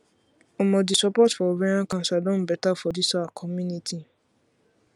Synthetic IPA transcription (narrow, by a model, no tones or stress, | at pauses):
ɔmɔ̃disɔpɔtfɔɾẽãkãnsadɔ̃n̩bɛtafɔdisaakʰɔmunitʰi